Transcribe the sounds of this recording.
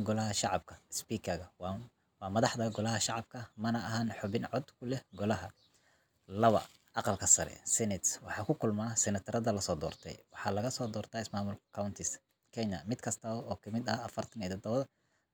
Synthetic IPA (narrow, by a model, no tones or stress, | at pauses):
ɡɔlɐɦɐʃɑʕɑb̚kʰɐspiːkʰɐɣɐw | wɑːmɐðɑħd̪ɐɡɔlɐɦɐʃɑʕɑb̚kʰɐmɐnɐɐɦanħɔβɪnʕɔd̪kʰʊlɛɡɔlɐɦɐ | lɐβɐ̰ | ʔɑqɑlkʰɐsɐ̰ɾɛ̰sɛnɛt̪swɑħɑːkʰʊkʰʊlmaːsɛnɐt̪ʰɐɾɐðɐlɐsɔːd̪ɔ̰ːrt̪ʰɛ̰jwɑħɑːlɐɣɐsɔːd̪ɔːrt̪ʰɐɪsmaːmʊlkkʰawnt̪ʰɪs | kʰɛɲɐmɪd̪kʰɐst̪ʰɐɔːkʰɐmɪd̪ɐːfɐrt̪ʰɐnɛːt̪ɔd̪ɐɐð